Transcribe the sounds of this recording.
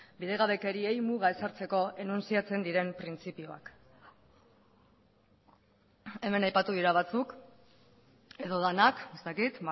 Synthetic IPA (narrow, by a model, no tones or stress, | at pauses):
biðe̞ɣaβe̞ke̞ɾiejmuɣ̞ae̞saɾt͡se̞ko̞e̞nunsiat͡se̞nd̪iɾe̞mpɾint͡sipioa̰k | e̞me̞najpat̪uð̞iɾaβ̞at͡suk | e̞ðo̞ðanakest̪akit̪